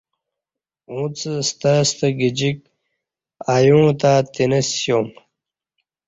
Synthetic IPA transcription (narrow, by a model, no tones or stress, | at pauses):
ũːt͡səst̪ast̪əɡid͡ʑik̚ | aːjũːt̪aːt̪inɐsjoːm